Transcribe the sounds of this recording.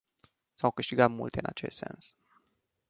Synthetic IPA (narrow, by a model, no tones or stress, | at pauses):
sawkɨʃt̪iɡat̪mṵlt̪e̞ɨnat͡ʃest̪se̞̰ns